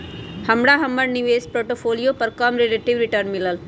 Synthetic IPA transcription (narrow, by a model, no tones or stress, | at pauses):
hɐmɽaːɦɐmːəɽniʋeːspɾoːʈopʰoːlijoːpɐɾkamɾeleʈiʋɾiʈəɾnmilɐl